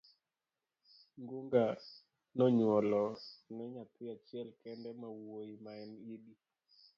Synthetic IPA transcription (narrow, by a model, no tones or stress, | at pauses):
ŋɡuŋɡa | nɔɲwɔlɔnɛɲat̪ʰɪat͡ʃjɛlkɛndɛmawoimaɛnidi